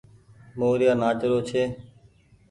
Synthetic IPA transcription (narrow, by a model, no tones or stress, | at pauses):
moːɾɪjaːnaːt͡ʃəɾoːt͡ʃʰeː